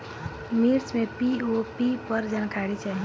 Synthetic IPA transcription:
miːɾt͡ʃmẽpiopipəɾd͡ʒənkʰaːɽit͡ʃaːɦi

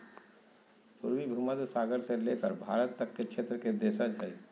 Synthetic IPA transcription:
pʊɾwibʱuməd̪saːɡəɾseleːkə̰ɾbʱa̰ːɾət̪ːəkːekʃʰeːt̪ɾəked̪eːsad͡ʒʱəi

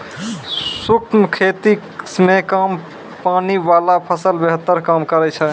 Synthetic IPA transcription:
sukmkʰet̪i | smekam | panibalapʰəsəlbeɦət̪ːəɾkamkəɾɛt͡ʃʰɛ

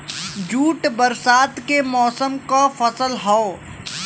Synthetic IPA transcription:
d͡ʒuːʈbɐɾsaːt̪kemɔːsəmkafɐsəlɦɔo

